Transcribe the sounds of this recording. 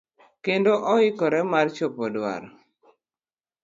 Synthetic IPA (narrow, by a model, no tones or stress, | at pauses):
kendoʔɔɪkɔɾɛmart͡ʃopɔdwa̰ɾ